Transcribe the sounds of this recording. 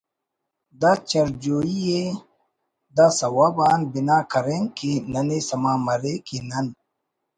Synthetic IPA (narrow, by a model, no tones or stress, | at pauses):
d̪at͡ʃɐɾd͡ʒoːije | d̪asɐwabaːnbinaːkɐɾeŋkenɐnesɐmaːmɐɾekinɐn